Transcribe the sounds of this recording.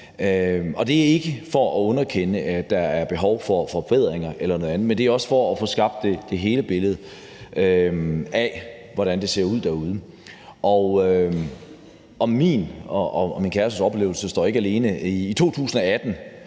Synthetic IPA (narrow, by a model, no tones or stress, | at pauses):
øɒ̽d̥e̝æɐe̝ɡ̥əfɒ̽ɒɔ̽nɐkʰenəʔæd̥ɑ̈æɐb̥e̝ɦɒʊfɒfɒ̽b̥eð̰ˠʁeŋɐʔelɐnoðˠænð̩ˠmend̥e̝æɐɒ̽sə̥fɒ̽ːfɔ̽sɡ̥ɑ̈b̥d̥e̝d̥e̝ɦe̝ːləb̥e̝ləð̞̩ˠ | øæʋɒɾænd̥e̝se̝ɐ̰uð̞̰ˠd̥æɐuð̞ˠə | ʔɒʊø | ɒ̽mḭn | minkʰæɐsusɒ̽b̥le̝ːʊl̩səsd̥ɒ̰ːeɡæle̝ːnəiːt͡sʰo̝̰ːt͡sʰṵːsn̩ɒ̽æd̥n̩